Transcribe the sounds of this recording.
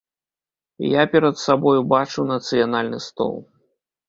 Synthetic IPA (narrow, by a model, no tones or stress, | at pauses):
japʲɛɾɐt̪sabɔjubat͡ʂuwnɐt̪sɨjanalʲnɨst̪ɔ̰lˠ